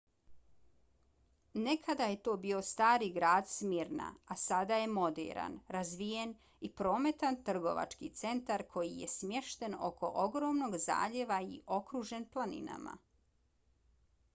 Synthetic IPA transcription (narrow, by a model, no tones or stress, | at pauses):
ne̞kʰad̪aje̞t̪o̞ːbio̞st̪aːɾiɡɾaːd̪smiɾna̰asad̪aje̞mo̞d̪ḛɾa̰nɾazʋije̞n | ipɾo̞ːme̞t̪ant̪r̩ɡo̞̰ʋa̰t͡ʃkit̪se̞nt̪aɾkʰo̞jijḛsmje̞ʃt̪e̞no̞̰kʰo̞̰ʔoɡɾo̞ːmno̞ɡza̰ːʎe̞ʋaḭʔo̞kɾuʒe̞nplˠanḭna̰ma̰